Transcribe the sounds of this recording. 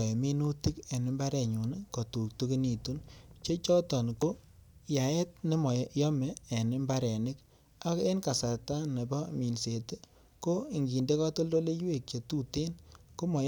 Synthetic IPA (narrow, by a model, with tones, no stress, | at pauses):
mi˦nu˦ti˦ke˨nɪ˦mba˦ɾɛ˨ɲu˨n˦ko˨tu˨k̚tu˦ki˦ni˨tu˦nt͡ʃe˦t͡ʃɔ˦tɔ˨n˨ko˦ja˨ɛ˦t̚nɪ˦mɔ˨jɔ˦mɛː˨nɪ˦mba˦ɾɛ˨nɪ˦k | a˦ke˦nka˨sa˨ta˦ne˨bɔ˦mi˨nse˨te˦ | ko˦i˨ŋɡi˨nde˦ka˦to˦lo˦le˦jwe˨k̚t͡ʃe˨tu˦te˦nko˦mɔ˨